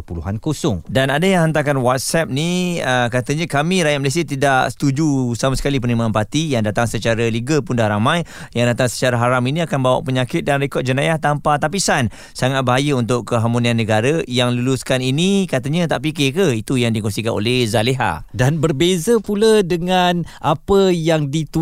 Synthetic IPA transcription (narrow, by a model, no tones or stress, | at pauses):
əpuluɦankosʊŋdanadajaŋhənt̪̬akanwat̪̚sɛp̚niəkat̪əɲə̃kamĩɾajaʔ̚məles̬iat̪idaʔsə̥t̪ud͡ʒusamasə̥kalip̬ənimãːnpat̪ijaŋdat̪aŋsət͡ʃaɾəliɡəpʊndaɾamãjjaŋdat̪aŋsə̥t͡ʃaɾaɦaɾaminĩakanbawa̰ʔpəɲakɪt̪̚danɾekɔt̚d͡ʒənajaht̪ampat̪ap̬isan | saŋat̪̚baɦajəunt̪̬ʊʔkəɦamunianːəɡaɾəjaŋluluskaninikat̪əɲət̪aʔpikɪkəit̪ujaŋdikɔsikano̰lɛhzaleɦa̰danbərbezəpulədəŋanʔapəjaŋdit̪u